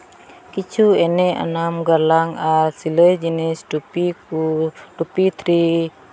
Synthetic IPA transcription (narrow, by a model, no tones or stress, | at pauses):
kit͡ʃuɛnɛa̰namɡalaŋasiləd͡ʒɛnisdupiudupit̪ɾi